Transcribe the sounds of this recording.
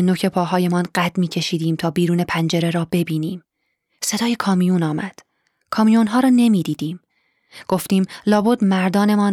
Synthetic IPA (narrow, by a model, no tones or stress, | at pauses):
enocʰe̞pʰɒːɦɒːje̞mɒːnɢæt̪miːcʰe̞ʃiːd̪iːmt̪ʰɒːbiːɾuːne̞pʰænd͡ʒe̞ɾe̞ɾɒːbe̞biːniːm | se̞d̪ɒːje̞kʰɒːmijunɒːmæd̪̥ | kʰɒːmijunɦɒːɾɒːne̞miːd̪iːd̪̥iːm | ɡ̥o̞ft̪iːmlɒːbod̪mæɾd̪ɒːne̞mɒːn